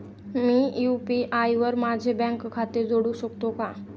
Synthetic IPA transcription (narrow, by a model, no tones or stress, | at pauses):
miːjupiʔajʋəɾmad͡ʑʱebɛ̃ŋkkʰːat̪iɾd͡zoɽuɕəkt̪oka